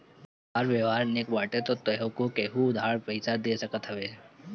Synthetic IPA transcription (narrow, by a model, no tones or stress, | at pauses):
ɦaːɾʋjəʋɦaːɾnekbaːʈet̪ot̪əɦõkokeɦuʊd̪ʱaɽpɐɪsaɾd̪eːsəkət̪ɦɐʋe